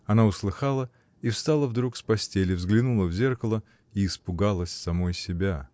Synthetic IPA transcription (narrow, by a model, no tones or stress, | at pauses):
ɐnaʊslˠɨxalˠə | ifst̪alˠəvd̪ɾukspɐsʲtʲelʲɪvzɡlʲɪnulˠəvzʲe̞rkəlˠə | iːspʊɡalˠəsʲsɐmojsʲɪbʲa